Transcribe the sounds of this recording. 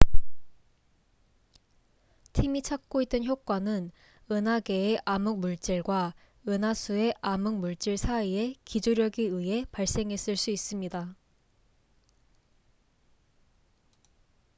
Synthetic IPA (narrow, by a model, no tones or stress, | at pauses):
tʰimit͡ɕʰak̚k͈oit̚t͈ɯnçjok̚k͈wanɯn | ɯnaɡe̞ːʔamuk̚muɭt͡ɕ͈iɭɡwa | ɯnasʰue̞ʔamuŋ̚muɭt͡ɕ͈iɭsʰaie̞kid͡ʑoɾjʌɡiɯɦe̞paɭs͈e̞ŋɦe̞s͈ɯɭs͈uis͈ɯmɲida